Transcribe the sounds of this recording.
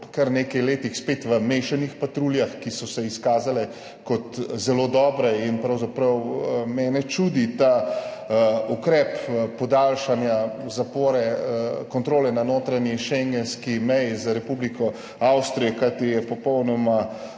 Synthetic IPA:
kɐɾneːkɐjleːt̪ixspeːt̪ʋəmeʃanixpat̪ɾuljaxkisɔsɛiskaːzalɛ | kɔt̪zɛloːd̪ɔːbɾɛinpɾɐwzapɾɐwmɛːnɛt͡ʃud̪it̪a | ukɾɛːppɔd̪aːlʃanjazapoːɾɛkɔnt̪ɾoːlɛnanoːt̪ɾaniʃɛŋɡɛnskimɛjizaɾɛpublikɔ | awst̪ɾijɛkajt̪ijɛpɔpɔwnɔma

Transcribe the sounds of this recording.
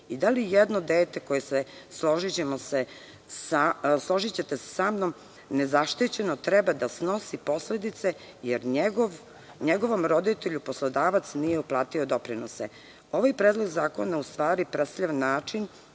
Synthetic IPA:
id̪alijed̪no̞d̪eːt̪e̞ko̞jesesloʒit͡ɕe̞mose | saslˠo̞ʒit͡ɕet̪ese̥samno̞m | ne̞zaʃt̪it͡ɕe̞no̞t̪ɾɛbad̪asno̞sipo̞sle̞d̪it̪se̞ | jeɾeɡoʋ | ɲeɡo̞ʋo̞mɾo̞d̪it̪eʎupo̞slˠod̪aːʋat̪snije̞uplˠaːt̪io̞d̪o̞pɾinosḛ | oʋajpɾeːd̪lˠo̞ɡzaːko̞naust̪ʋaːɾipɾesaʎaʋanːaːt͡ʃin

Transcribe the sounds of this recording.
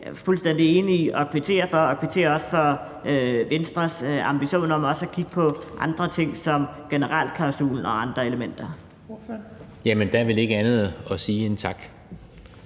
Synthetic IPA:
fulsd̥en̰d̥ie̝ːniiʔɒ̽kʰʋit͡sʰe̝̰ːɐfɒ̽ɒ̽kʰʋit͡sʰe̝̰ːɐɒ̽sə̥fɒ̽ | øʋensd̥ʁɐsɑ̈mb̥iɕo̝̰ːnɐmɒ̽səækʰiɡ̥̚pʰɒ̽ʔɑ̈nd̥ʁɐt͡sʰe̝ŋ̰sɒ̽mɡ̥enəʁɑl̰d̥̚kʰlɑ̈ʊsṵːln̩ɒ̽ɑ̈nd̥ʁɐe̝ləmen̰d̥ɐ | jæmənd̥æʋe̝le̝ɡ̥əænð̩ˠɒsiːent͡sʰɑ̈ɡ̥

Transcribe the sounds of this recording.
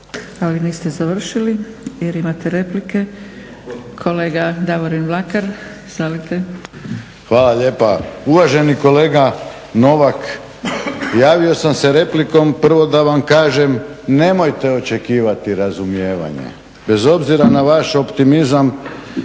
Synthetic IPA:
aliniːst̪ezaʋr̩ʃili | jeɾimat̪eɾe̞plike̞ | kʰo̞leːɡad̪aʋoɾinʋlakaɾ | z̥alit̪e | xʋaːlaʎe̞ːpauʋaʒe̞niko̞le̞ːɡa | no̞ʋak | jaːʋio̞samse̞ɾe̞pliko̞mpr̩ʋo̞d̪aʋamkaːʒe̞mne̞mo̞jt̪e̞o̞t͡ʃe̞kiːʋat̪iɾazumje̞ːʋa̰ɲḛ | be̞zo̞bziɾanaʋaʃo̞pt̪imizam

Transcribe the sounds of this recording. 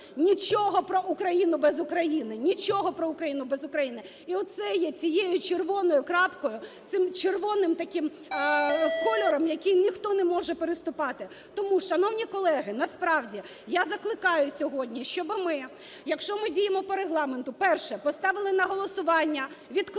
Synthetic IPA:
nʲit͡ʃɔɦɔpɾɔʔʊkɾɐjinʊbɛzʊkɾɐjinɪnʲit͡ʃʲɔɦɔpɾɔʊkɾɐjinʊbɛzʊkɾɐjinɪ | iɔt̪̚sɛjɛt͡sʲijejʊt͡ʃerʋɔnɔjʊkɾɑpkɔjʊsɪmt͡ʃerʋɔnɪmt̪ɐkɪm | kɔlʲɔɾɔmjɐkʲijnʲixt̪ɔnɛmɔʒɛpeɾɪst̪ʊpɑt̪ɪ | t̪ɔmuʃɐnɔwnʲikɔlˠɛɦɪnɐspɾɑwdʲi | jazɐklˠɪkɑjʊsʲɔɦɔdʲnʲiʃt͡ʃɔbɪmɪ | jɐkʃt͡ʃɔmɪdʲijemɔpɔɾeɦlˠɑment̪ʊpɛrʃɛpɔst̪ɑʋɪlˠɪnɐɦɔlˠɔsʊʋɑnʲːɐʋʲid̪k

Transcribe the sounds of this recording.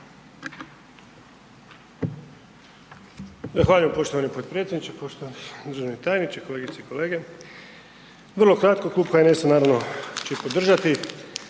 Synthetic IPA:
zaxʋaːʎujempo̞ʃt̪oʋanipot̪pɾet̪sʲed̪nit͡ʃepoʃt̪oanid̪ɾʒenit̪aːjnit͡ʃeko̞leɡit̪seiko̞le̞ːɡe | ʋr̩lˠo̞kɾat̪koklˠuːbkaenesanaːɾaʋno̞t͡ʃeipo̞d̪r̩ʒat̪i

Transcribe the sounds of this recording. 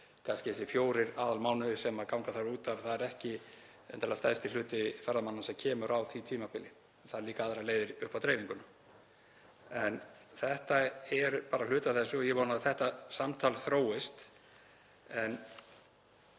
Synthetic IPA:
kʰanscɪɛsɪfjoːwɾɪɾaːðalmaːwnʏsɛmakawŋkaθaɾuːt̪avθaðɛɾɛhcɪ | ɛ̰nt̪alast̪ajst̪ɪl̥ʏːt̪ɪfɛɾðamanːasɛmcʰɛːmʏɾʔawθit̪ʰiːmapɪlɪ | θaðɾliːkaaːðɾaleːjðɪɾʏhpawt̪ʰɾeːjviŋkʏna | ɛnθɛht̪aɛɾpaːɾal̥ʏːt̪aθɛsːʏjɛvɔːnaðθɛht̪asamt̪ʰalθɾoːwɪst̪ | ɛn

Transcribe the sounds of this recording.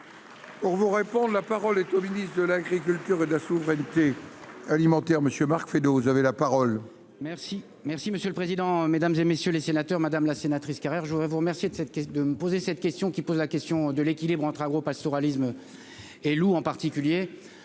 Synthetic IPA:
puʁvuʁepɔ̃d̪lapaʁɔlɛt̪ominist̪d̪əlaɡʁik̬ʲylt̪yʁed̪əlasuvʁɛnt̪ealimɑ̃t̪ɛʁməsjømaʁkfed̪ovuzavelapaʁɔl | mɛʁsi | mɛʁsiməsjøləpχezid̪ɑ̃med̪amzemesjølesenat̪œʁmad̪amlasenat̪χiskaʁɛʁʒəvud̪ʁɛvuʁəmɛʁsjed̪əsɛt̪kɛd̪əməpozesɛt̪̚kʲɛst̪jɔ̃kʲipozlakʲɛst̪jɔ̃d̪əlekʲilibʁɑ̃t̪χaɡʁopast̪oʁalism | eluɑ̃paʁt̪ikʲylje

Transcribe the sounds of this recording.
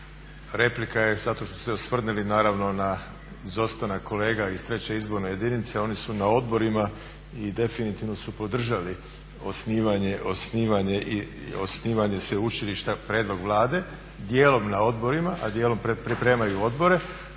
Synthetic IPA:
ɾe̞plikajezat̪o̞ʃt̪su̥seosʋr̩nilinaːɾaʋno̞na | izo̞st̪anako̞le̞ːɡaist̪ɾe̞t͡ɕe̞izbo̞ɾne̞je̞d̪init̪se̞o̞nisunao̞d̪bo̞ɾima | id̪e̞finit̪iʋnosupo̞d̪r̩ʒali | o̞sniːʋaɲe̞ʔo̞sniːʋaɲe̞ʔio̰sniːʋaɲe̞sʋeut͡ɕiliʃt̪apɾe̞ːd̪lˠo̞ɡʋlˠaːd̪e̞ | d̪je̞ːlo̞mnao̞d̪bo̞ɾimaʔad̪je̞ːlo̞mppɾipɾe̞ːmajuo̞d̪boɾe̞

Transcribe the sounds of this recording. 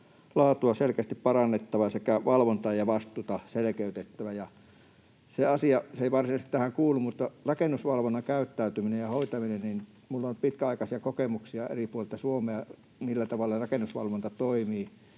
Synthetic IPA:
lɑːt̪uɑselkæst̪ippɑrɑnːet̪ːɑʋɑsekæʋɑlʋont̪ɑjɑʋɑst̪ˑuːt̪ɑselĕkeyt̪et̪ːæʋæjɑ | seɑsiɑseˑiʋɑrsinɑist̪t̪æhæŋkuːlːummut̪ːɑrɑkenːusʋɑlʋonːɑŋkæyt̪ːæyt̪yminejjɑhoit̪ɑminennin | mulːonpit̪kæɑikɑsiɑkokemuksiɑḛripuolelt̪ɑsuomeɑ | milːæt̪ɑʋɑlːerɑkenːusʋɑ̰lʋont̪ɑt̪oimiː

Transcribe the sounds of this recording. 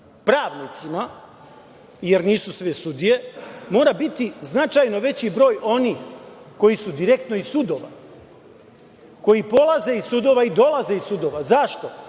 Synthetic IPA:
pɾaːʋnit̪sima | je̞ɾniːsusʋesud̪ije̞mo̞ːɾabit̪iznat͡ʃajno̞ʋe̞t͡ɕibɾo̞ːjʔo̞niːx | ko̞jisud̪iɾe̞k̚t̪no̞isud̪o̞ʋa̰ | ko̞jipo̞lˠaze̞isud̪o̞ʋaid̪o̞lˠaze̞isud̪o̞ʋazaʃt̪o̞

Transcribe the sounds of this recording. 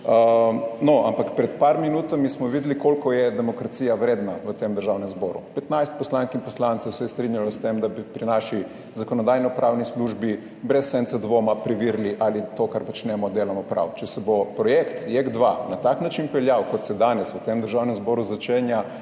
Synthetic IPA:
noʔa̰mpakpɾɛt̪paɾminut̪amismɔʋid̪likolkɔjɛd̪ɛmɔkɾat̪siːjaʋɾeːd̪naʋət̪emd̪əɾʒawnɛ̃mzbɔːɾṵpɛt̪najst̪̚pɔslaŋkinpɔslant̪sɛwsɛɛst̪ɾinjalɔst̪emd̪abipɾinaʃi | zakɔnɔd̪aːjnɔpɾawnisluʒbi | bɾɛsːɛnt̪sad̪ʋoːmapɾiʋiɾliʔalit̪okaɾpɔt͡ʃnɛmɔd̪eːlamɔpɾa̰wt͡ʃɛsɛbopɾɔjekt̪jeɡd̪ʋanat̪aknat͡ʃinpɛljawkɔt̪sɛd̪anɛsʋət̪emd̪əɾʒawnɛmzbɔːɾuzat͡ʃeːnja

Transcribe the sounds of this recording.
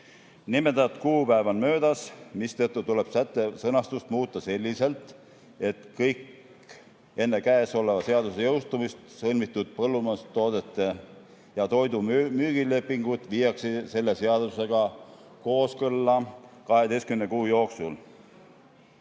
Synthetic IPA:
nimet̪ɑt̪kuːpæevɑnmø̞ːd̪ɑsmist̪ɤt̪ˑːut̪ule̞b̥sæt̪ːˑesɤnɑst̪ust̪muːt̪ˑːɑse̞lʲːise̞lt̪ˑ | e̞t̪kɤjk | e̞nːe̞kæeso̞lːevɑse̞ɑd̪use̞jɤwst̪umist̪sɤlmit̪ːˑud̪̥̚pɤlːumɑst̪o̞ːd̪̥et̪ˑːe̞ | jɑt̪o̞jd̪umyːɡ̥ile̞pːˑiŋɡ̥ut̪viːjɑksise̞lːe̞se̞ɑd̪use̞ɡ̥ɑ | ko̞ːskɤlːɑkɑɦe̞d̪e̞jskymnekuːjo̞ːksul

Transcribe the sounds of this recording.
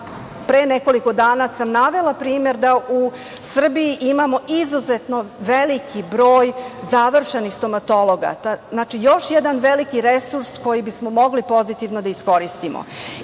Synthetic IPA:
pɾeneko̞liko̞d̪aːnasamnaʋe̞lapɾiːme̞ɾd̪aʔu | sr̩biiʔimamo̞ʔizuzet̪no̞ʋelikʰibɾo̞ːjzaʋr̩ʃenixst̪o̞mat̪o̞lˠo̞ɡa̰t̪aznaːt͡ʃijo̞ʃjed̪anʋe̞likiɾesuɾsko̞jibismo̞mo̞ɡlipo̞zit̪iʋnod̪aisko̞ɾist̪imo̰

